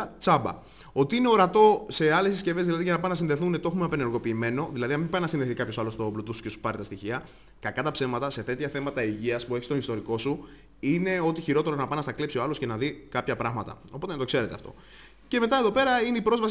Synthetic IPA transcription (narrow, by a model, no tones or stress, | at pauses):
t͡sɐbɐ̰ | o̞t̪iineo̞ɾɐt̪o̞se̞ɐlesisce̞ve̞zðilɐðiʝɐnɐpɐnɐsinðe̞θunet̪o̞xumeɐpe̞ne̞ɾɣo̞piːme̞no̞ðilɐðinɐmimbɐnɐsinðe̞θikɐpço̞sɐlost̪o̞blot̪usu̥ce̞su̥pɐɾit̪ɐst̪içiɐ | kɐkɐt̪ɐpse̞vmɐt̪ɐse̞t̪e̞t̪çɐθe̞mɐt̪ɐiʝiɐspue̞çi̥sto̞nist̪o̞ɾiko̞su | ine̞o̞t̪içiɾo̞t̪e̞ɾonɐpɐnɐst̪ɐklepsio̞ɐloscenɐðikɐpçɐpɾɐɣmɐt̪ɐ̰o̞po̞t̪enɐt̪okse̞ɾe̞t̪eɐ̰ft̪o̞̰ | ce̞me̞t̪ɐe̞ðo̞pe̞ɾɐineipɾo̞zvɐs